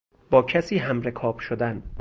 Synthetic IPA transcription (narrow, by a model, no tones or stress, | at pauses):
b̥ɒːcʰæsiːɦæmɾekʰɒːb̥ʃod̪æn